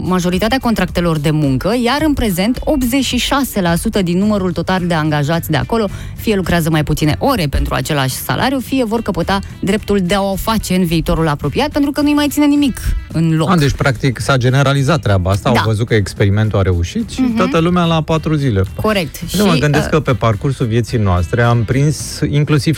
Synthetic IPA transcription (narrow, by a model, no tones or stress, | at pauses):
maʒo̞ɾit̪at̪eako̞nt̪ɾak̚t̪e̞lo̞rd̪e̞muŋkəjaɾɨnpɾe̞ze̞nt̪o̞p̪ze̞t͡ʃʃiʃase̞lasut̪əd̪inːuməɾult̪o̞t̪ald̪e̞aŋɡaʒat̪sʲd̪ea̰ko̞lo̞ | fije̞lukɾeazəmajput̪sinḛʔo̞ɾe̞pe̞nt̪ɾua̰t͡ʃe̞la̰ʃʲsa̰lʔa̰ɾjufije̞vo̞rkəpot̪a | d̪ɾe̞p̚t̪uld̪e̞aoofat͡ʃe̞ɨnviːt̪o̞ɾulapɾo̞piat̪̚pent̪ɾukənujmajt̪sine̞nimikɨnlo̞dd̪et͡ʃʲpɾakt̪iksad͡ʒe̞ne̞ɾalizat̪ːɾʲabaast̪ad̪avəzut̪̚kəekspe̞ɾime̞nt̪uaɾe̞uʃit̪ʃiat̪əlumealapat̪ɾuzile̞ko̞ɾe̞k̚t̪ʃəiməɡɨnd̪eskkəpe̞parkursulvje̞t̪sijnoast̪ɾe̞ampɾinsiŋklusiv̥